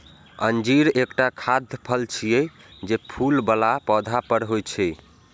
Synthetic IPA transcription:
ənd͡ʒiɾekʈakʰad̪ʱpʰəlt͡ʃʰijɛd͡ʒepʰulbəlapɔd̪ʱapəɾɦojt͡ʃʰɛ

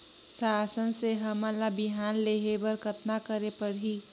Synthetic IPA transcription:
saːsənseɦəməlabiɦanleɦebəɾkʰət̪nakəɾepəɾɦi

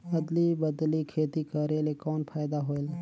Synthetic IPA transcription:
ɐd̪libəd̪likʰeːt̪ikəɾeːlekɔːnpʰaːɪd̪aɦoːel

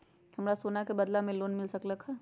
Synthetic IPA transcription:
hɐmɾasoːnakebɐd̪lamẽloːnmɪlsɐklɐkhaː

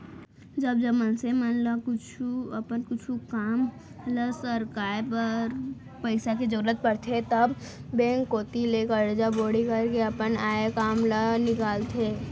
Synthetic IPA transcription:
d͡ʒɐbd͡ʒɐbmənsemənlakʊt͡ʃʰuɐpənkʊt͡ʃʰukaːm | lasəɾkaːjpəɾ | pəɪsaked͡ʒəɾuːət̪̚pɐɽt̪ʰet̪ɐbːẽːŋkːoːt̪ileːkəɾd͡ʒaboːɽikɐɾkeɐpənaːekaːmlanɪkaːlt̪ʰeː

